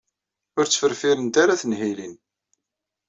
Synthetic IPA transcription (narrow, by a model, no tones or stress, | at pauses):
ʊɾt͡sːfəɾfiɾənt̪aɾaθənhilin